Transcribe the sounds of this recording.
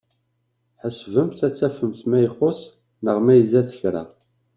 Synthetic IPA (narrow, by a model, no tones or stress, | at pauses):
ħəsvəmθæt͡sːæfəmθmæjχos | nəʁmæjəzæθəçɾæ̰